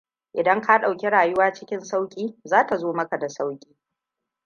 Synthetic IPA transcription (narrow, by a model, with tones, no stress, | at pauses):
ʔɪ˨dɐ˦ŋka˦ɗa˨wkʲe˦ɽaː˨jʊ˦waː˦t͡ʃɪ˦kʲɪ˦nsa˦wkʲʼiː˦zaː˦ta˨zoː˦mɐ˦ka˨da˨sa˦wkʲʼiː˦